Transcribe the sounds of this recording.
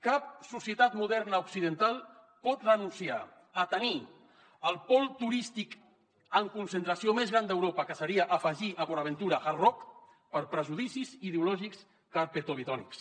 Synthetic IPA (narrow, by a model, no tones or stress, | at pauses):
kap̚susiət̪at̪muðɛɾnəuksiðənt̪alˠ | pɔt̪rənunsia̰ | ət̪əni | əlˠpɔlˠt̪uɾist̪ik | əŋkunsənt̪ɾəsiomezɣɾand̪əwɾopəkəsəɾiəʔːfəʒiʔəβoɾəβənt̪uɾəxarɔk | pəɾpɾəʒuðisizið̞eulɔʒiks | kaɾpet̪oβit̪ɔnḭks